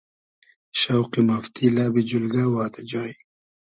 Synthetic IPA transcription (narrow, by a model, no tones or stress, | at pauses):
ʃawqimaft̪ʰilaːbid͡ʒulɡawaːt̪ad͡ʒaːj